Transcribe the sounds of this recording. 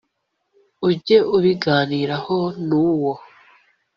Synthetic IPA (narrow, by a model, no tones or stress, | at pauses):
uɟe̞ʔuβiɡaːniːɾahonuːwo